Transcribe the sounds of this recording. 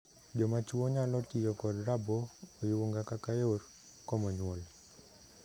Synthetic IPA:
d͡ʒɔmat͡ʃwoɲalɔtɪjɔkɔdɾabɔːjwoŋɡakakajor | komɔɲwol

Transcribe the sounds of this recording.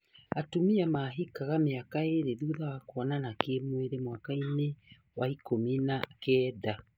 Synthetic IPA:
atumiamaɦikaɣameakaeɾeðuðawakwɔnanakemweɾemwakaine | waikominakɛːða

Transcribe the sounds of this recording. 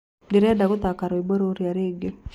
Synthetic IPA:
dɪɾɛdaɡʊt̪akaɾɔiboɾoɾiaɾeɡe

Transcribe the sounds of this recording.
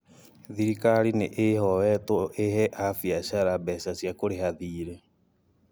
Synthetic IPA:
ðiɾikaɾineʔehɔwɛtoʔehɛʔafiaɕaɾabɛsasjakoɾeɦaðiːɾɛ

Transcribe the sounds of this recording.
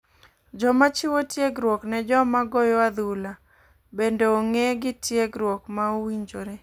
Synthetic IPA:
d͡ʒɔmat͡ʃɪwotjeɡɾwɔknɛd͡ʒɔmaɡɔjɔwad̪ula | bendeoŋeɡɪtjeɡɾwɔkmaowiɲd͡ʒoɾe

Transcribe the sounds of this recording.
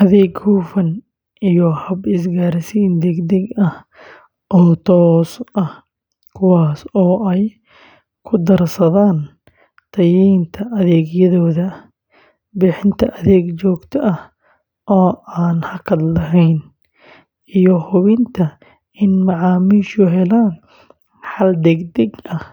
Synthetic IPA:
ʔɐðɛːɡhuːfɐn | ʔijɔhɐbɪsɡaːɾɪsiːnd̪ɛɡd̪ɛɡɐh | ʔɔːt̪ʰɔːsʔɐh | kʰʊwɑːsɔːʔɛj | kʰʊd̪ɐrsɐðaːn | t̪ʰɐjiːnt̪ʰɐʔɐðɛːɡjɐðɔːðɐ | bɪːħɪnt̪ʰɐʔɐðɛːɡt͡ʃɔːɡt̪ʰɐʔɐh | ʔɔːʔaːnhɐkʰɐd̪lɐɦɛjn | ijɔhʊβɪnt̪ʰɐ | ɪnmɐʕɑːmiːʃʊɦɛlaːn | ħɑld̪ɛɡd̪ɛɡɐh

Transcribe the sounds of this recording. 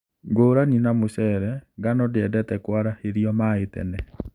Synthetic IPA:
ɡoːɾaninamoɕɛɾɛɡanɔdeɛdɛtɛkwaɾaeɾjɔmaetɛ̰nɛ

